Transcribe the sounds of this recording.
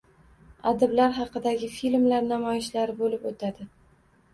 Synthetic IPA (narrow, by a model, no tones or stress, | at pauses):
ad̪ɪblaɾɦɑqɨd̪aɡʲɪfilmlaɾnamɒjɪʃlaɾɪbolɪpot̪ʰad̪ɪ